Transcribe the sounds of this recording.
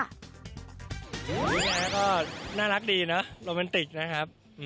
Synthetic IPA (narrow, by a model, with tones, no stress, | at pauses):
i˨˦˥ɲaː˧˩kɔː˥˩naː˥˩la˦˥k̚diː˧nɔ˦˥ɾoː˧mɛː˧nt̪i˨˩k̚na˦˥kʰa˦˥p̚ | ʔ